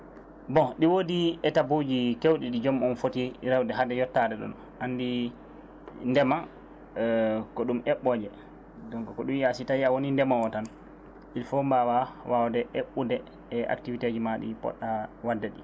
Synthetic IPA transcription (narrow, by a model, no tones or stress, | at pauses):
bɔɗiwodiɛtabud͡ʒikewɗiɗid͡ʒɔmɔnfotiɾawdɛɦadɛjɔtːadɛɗɔ̰n | anːdi | ndɛma | kɔɗumɛɓːɔd͡ʒɛ | dɔŋkɔkɔɗumjasitajawonindɛmawɔtan | ilfɔmbawawʔawdɛʔeɓːudɛː | ʔa̰ktivited͡ʒimaɗḭpɔ̰ɗːawadːɛɗi